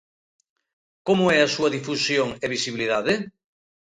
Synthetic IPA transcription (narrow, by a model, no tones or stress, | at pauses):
komoɛasuaðifusjoŋeβisiβiliðaðe